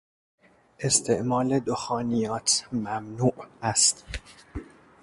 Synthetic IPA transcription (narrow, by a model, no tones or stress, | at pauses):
ʔe̞st̪ʰe̞ʔmɒːled̪oxɒːnijɒːt̪ʰmæmnuːʔæst̪